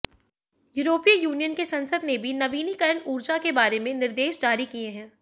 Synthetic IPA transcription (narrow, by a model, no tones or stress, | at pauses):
juːɾoːpiijuːnijənkesɐ̃nsəd̪nebʱinɐʋiːnikɐɾəɳuːɾd͡ʒakebaːɾemẽnɪɾd̪eːʃd͡ʒaːɾikieɦɛ̃ː